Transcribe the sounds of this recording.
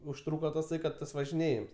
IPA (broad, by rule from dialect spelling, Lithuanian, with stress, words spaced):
ʊʃˈtruːkɐ tɐˈsɐɪ kɐt ˈtɐs ʋɐʒʲɪˈnʲeːjɪms